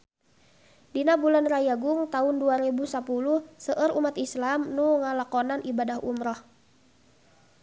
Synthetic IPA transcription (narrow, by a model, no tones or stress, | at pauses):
dinabulanrajaɡʊŋt̪aʊnduaɾibusapuluhsəʔəɾumat̪islamnuŋalakɔnanʔibadaɦumɾɔh